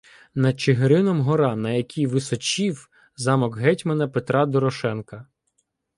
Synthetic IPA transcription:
nɐd̪̚t͡ʃeɦeɾɪnɔmɦɔɾɑnɐjɐkʲijʋɪsɔt͡ʃʲiw | zɑmɔɡɦɛtʲmenɐpet̪ɾɑd̪ɔɾɔʃɛnkɐ

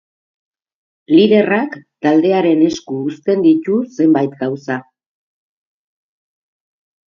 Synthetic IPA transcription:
liðe̞rakt̪ald̪e̞aɾe̞ne̞skuːst̪e̞nd̪it̪use̞mbajt̪ɡawsa

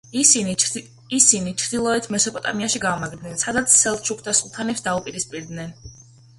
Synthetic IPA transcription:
ii | isinit͡ʃʰɾd̪ilˠɔɛt̪ʰmɛsɔpʼɔt̪ʼa̰miaʃiɡaːmaɡɾd̪nɛnsad̪at̪sʰːɛlˠt͡ʃʰukʰd̪ʰasut̪ʰanɛpsd̪aupʼiɾispʼiɾd̪nɛn

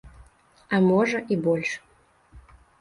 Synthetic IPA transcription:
amɔʐɐʔibɔlʲʂ

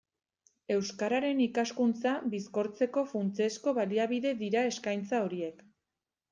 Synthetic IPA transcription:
e̞wskaɾaɾe̞nikaskunt͡sabisko̞ɾt͡se̞ko̞funt͡siesko̞βaliaβiðe̞ðiɾae̞skajnt͡sao̞ɾie̞k

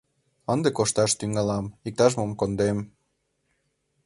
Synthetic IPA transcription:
ənd̪ekoʃt̪ɑʃt̪yŋɑlɑmik̚t̪ɑʒmomkond̪em

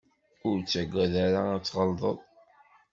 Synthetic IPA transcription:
ʊɾt͡sːæɡʷːæðaɾaæt͡sːʁəld̪ˤəðˤ

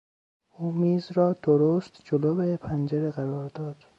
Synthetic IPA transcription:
uːmiːzɾɒːd̪̥oɾoːst̪d͡ʒoloːbepʰænd͡ʒeɾeɣæɾɒːɾd̪ɒːd̪̥

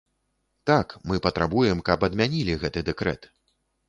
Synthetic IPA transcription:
t̪akmɨpɐt̪ɾabujɛmkɐpɐd̪mʲanʲilʲiɣɛt̪ɨd̪ɛkɾɛ̰t̪

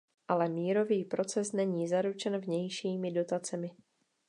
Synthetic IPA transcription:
ʔalɛmiːɾo̞viːpɾo̞t͡sɛsnɛɲiːzaɾut͡ʃɛnvɲɛjʃiːmɪdo̞t̪at͡sɛmɪ

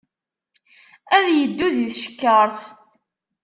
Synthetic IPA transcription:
æðjəd̪ːuðiðʃə̥kːəɾˤθ

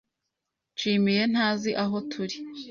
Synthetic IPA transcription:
t͡ʃiːmije̞n̥haːziʔaɦo̞tʰuɾi

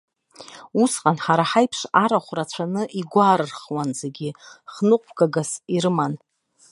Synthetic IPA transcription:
usqʼanħaɾaħajpʰʂaɾaχʷrat͡ɕʷʰanɨʔiɡʷaːɾɨrχwanzeɡʲiχnɨqʷʼpʰɡaɡasiɾɨman

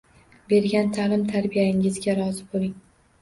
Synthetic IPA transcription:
be̞ɾɡʲant̪ʰalɪmt̪ʰaɾbijaɪŋɪzɡʲaɾɒzɪbolˠɪŋ

